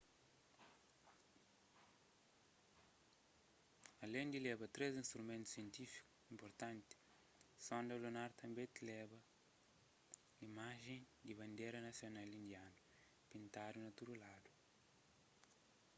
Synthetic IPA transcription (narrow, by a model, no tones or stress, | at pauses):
alẽnd̪ilɛbɐt̪ɾezĩnst̪ɾumẽnt̪u̥sjẽnt̪ifi̥ku̥ĩmpoɾt̪ãnt̪i̥ | sõnd̪ɐlonaɾt̪ɐ̃mbet̪ilɛbɐ | imaʒẽ | d̪iβãnd̪ɛɾɐnasjonalĩnd̪ianu | pĩnt̪aɾjunɐt̪udulad̪u̥